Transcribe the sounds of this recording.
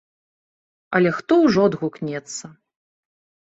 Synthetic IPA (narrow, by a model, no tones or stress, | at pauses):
ɐlʲɛxt̪ɔwʐɔd̪ɣuknʲɛt̪sːɐ